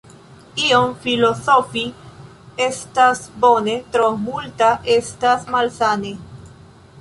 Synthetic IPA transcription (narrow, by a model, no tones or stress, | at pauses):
iomfilosofi | e̞stasbonet̪ɾomultaʔestasmalsane